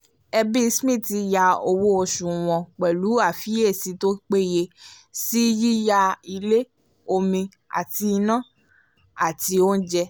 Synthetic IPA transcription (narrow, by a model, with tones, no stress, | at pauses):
ɛ˧bi˦˧˦smĩ˦˨ti˧ja˧o˧wo˦o˧ʃũ˨w̃ɔ̃˧k͡pɛ˨lu˨˦a˦˨fi˦e˦˨si˨˦to˦k͡pe˦˨je˧ | si˦ji˦ja˧i˧le˦ | o˧mĩ˧ | a̰˨ti˧nã˦˨ | a˨ti˧o˦n̩˦d͡ʒɛ˧